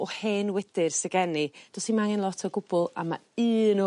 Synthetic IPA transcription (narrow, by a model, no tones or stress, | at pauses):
ɔhenwɛd̥ɪrsɛɡɛnid̥ɔsimaŋɪnlˠɔtʰəɡʊb̥ʊlˠa̰ma̰ɨːnɔ